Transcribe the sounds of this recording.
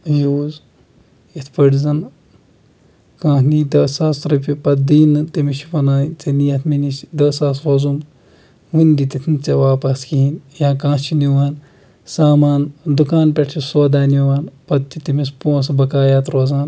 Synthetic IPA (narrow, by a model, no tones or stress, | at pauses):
juːz | it̪ʰpɐɽzɐn | kãːniːd̪ɐːsaːsɾɐpʲipɐd̪iːnɨt̪imiʃipɐnaːt͡sinijɐt̪ʰminisd̪ɐsaːsɾozum | ʋund̪it̪it̪ʰint͡seʋaːpɐskiinjãːkãːt͡ʃʰiniʋaːn | saːmaːnd̪ukaːnpʲeʈʰisoːd̪aːniʋaːnpɐd̪t̪it̪imispõːsbɐkaːjaːt̪ɾoːzaːn